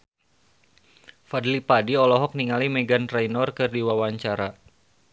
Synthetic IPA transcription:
fadlipadiɔlɔɦɔk̚niŋalimɛɡant̪ɾɛjnɔrkɨrdiwawaɲt͡ʃaɾa

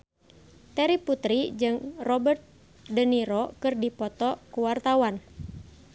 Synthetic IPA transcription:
t̪ɛɾiput̪ɾid͡ʒɨŋrɔbərt̪̚ | dəniɾɔkɨrdipɔt̪ɔkuwart̪awan

